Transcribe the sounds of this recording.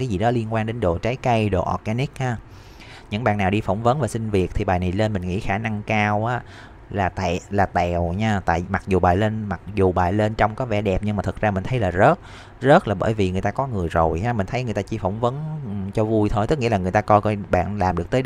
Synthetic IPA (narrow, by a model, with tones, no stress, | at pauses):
kaː˨˦jzi˨˩ɗɔ˨˦li˧nkwaː˧nɗe˨˦nɗo˨˩t͡ɕa˨˦jkə˧jɗo̰˨˩ʔɔ̰˨˩t̚aː˧ni˦˥k̚haː˧ | ɲɨ̰˧˥ŋɓa̰ː˧˨nːaː˨˩wɗi˧fɔ˧˩wŋ͡mvə˨˦nvaː˨˩sï˧ŋ̟vi˨˩ət̚t̪ʰi˨˩ɓaː˨˩jna˨˩jle˧nmï˨˩ŋ̟ŋḭ˧˥xaː˧˩na˧ŋkaː˧wʔaː˨˦ | laː˨˩t̪a̰˧˨laː˨˩t̪ɛ˧˨˩wɲaː˧t̪a̰ː˧˨jma˨˩k̚zu˨˩ɓaː˨˩jle˧nma˨˩k̚zu˨˩ɓaː˨˩jle˧nt͡ɕɔ˧wŋ͡mkɔ˨˦vɛ̰˧˩ɗɛ˨˩p̚ɲɨ˧ŋmaː˨˩t̪ʰə˨˩t̚za˧mï˨˩ŋ̟t̪ʰə˨˦jlaː˨˩zə˦˥t̚ | zə˦˥t̚laː˨˩ɓəː˧˩˦jvi˨˩ŋɨ˨˩əjt̪aː˧kɔ˨˦ŋɨ˨˩əjzo˨˩jhaː˨˧˦mï̟˨˩t̪ʰə˨˦ŋ˨˩ət̪aː˧t͡ɕi˧fɔ˧˩wŋ͡mvə˨˦n˨t͡ɕɔ˧vu˧jt̪ʰo˧jt̪ɨ˦˥k̚ŋḭ˧˥lːa˨˩ŋɨ˨˩jt̪aː˧kɔ˧jkɔ˧ɓa̰ː˧˨nlaː˨˩mɗɨ˨˩ək̚t̪ː